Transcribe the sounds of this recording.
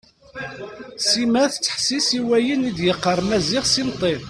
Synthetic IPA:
simæθət͡sːə̥ħsisiwæjənid̪jəqːəɾˤmæzɪʁsimt̪ˤin

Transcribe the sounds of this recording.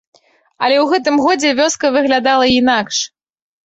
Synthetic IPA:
ɐlʲɛwɣɛt̪̬ɨmɣɔd͡zʲɛvʲɔskɐvɨɣlʲad̪alˠɐinakʂ

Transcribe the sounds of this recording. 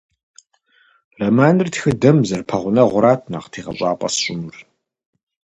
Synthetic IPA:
rɐmaːnɨrtʰxɨdɐmzɐrpʰɐʁʷʊnɐʁʷʊɾaːtʰna̰qtʰiːʁɐ̰ɕʷʼaːpʼɐ̰sɕʷʼʊmʊr

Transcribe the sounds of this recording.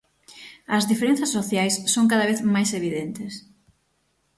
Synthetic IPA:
ɐzðifeɾenθɐsːoθjajsːoŋkaðɐβeθmajseβiðent̪ɪs

